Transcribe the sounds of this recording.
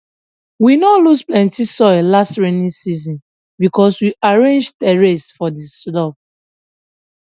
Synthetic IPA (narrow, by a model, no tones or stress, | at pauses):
winɔlusplɛ̃ntisɔɪllastɹenĩsizɔ̃n | bikɔswiʔaɹẽnd͡ʒtɛɹesfɔdislɔp̚